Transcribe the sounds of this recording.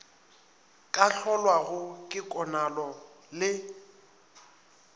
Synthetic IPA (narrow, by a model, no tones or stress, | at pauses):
kʼaɬʰɔlwaɣʊkʼɪkʼɔnalɔlɪ